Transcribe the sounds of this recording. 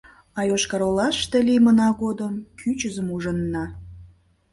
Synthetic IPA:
ɑjoʃkɑɾolɑʃt̪elimənɑɡod̪əmkʰyt͡ɕəzəmuʒənːɑ

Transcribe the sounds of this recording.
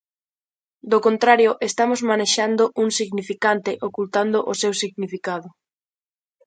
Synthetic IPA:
d̪okont̪ɾaɾjoʔest̪amozmaneʃand̪oʔuŋsiɣnifikant̪eʔokult̪and̪oʔosewsiɣnifikaðʊ

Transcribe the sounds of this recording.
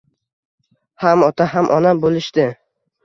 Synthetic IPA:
hamɒt̪ʰaɦamʔɒnabolɪʃt̪ɪ

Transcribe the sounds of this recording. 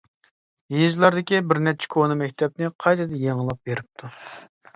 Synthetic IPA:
jizlˠɑɾd̪ɪkʲibɪɾnɛt͡ʃʰːɛ̥kʰonɨmɛkʲt̪ʰɛp̚nɪqʰɑjt̪ɨd̪ɛjeŋɨlˠɑp̚beɾɪp̚t̪ʰu

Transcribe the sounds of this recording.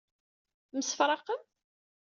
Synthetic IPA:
məsə̥fɾˤɑqəm

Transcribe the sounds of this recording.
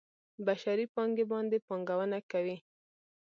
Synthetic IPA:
baʃaɾipɑŋɡebɑnd̪epɑŋɡawənakawi

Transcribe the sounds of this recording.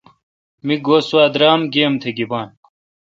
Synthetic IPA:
miɡoːswaːd̪ɾaːmɡeːmt̪ʰeɡibaːn

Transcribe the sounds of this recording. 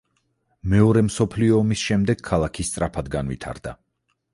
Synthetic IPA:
mɛɔɾɛmsɔpʰliɔːmisʃɛmd̪ɛɡ̥kʰːalˠakʰist̪sʼɾapʰad̪ɡanvḭt̪ʰa̰ɾd̪a̰

